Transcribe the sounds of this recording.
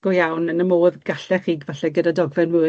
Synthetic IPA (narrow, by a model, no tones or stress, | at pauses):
ɡ̥ɔjawnənəmoːðɡ̥aɬɛχiːɡvaɬɛɡədadɔɡvɛnmɨ